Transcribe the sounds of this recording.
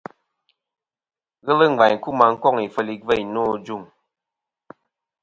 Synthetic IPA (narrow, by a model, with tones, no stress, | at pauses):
ɣə˦lə˦ŋ˨ɡ͡ba˨ɲ˨ku˦ma˨ŋ̩˦kɔ˦˨ŋi˨fə˨li˨və˦˨jnɔː˦˨d͡ʒu˦˨ŋ